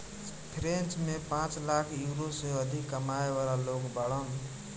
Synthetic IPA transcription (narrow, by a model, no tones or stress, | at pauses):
pʰɾent͡ʃmepãt͡ʃlakʰjuɾosəjoʌd̪ʱikːəmaebalalokbaɽən